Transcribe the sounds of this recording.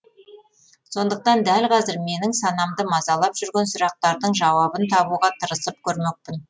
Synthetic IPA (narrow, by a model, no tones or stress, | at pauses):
so̞nd̪əq̚t̪ɑnd̪ælqʰɑzɪɾme̞nɪŋsɑnɑmd̪əmɑzɑlˠɑpʒ̥ʏɾɡʲe̞nsʊɾɑq̚t̪ɑɾd̪əɴʒɑwɑbənt̪ʰɑβuʁɑt̪ʰəɾəsəp̚kʲʰɵɾme̞q̚pɪn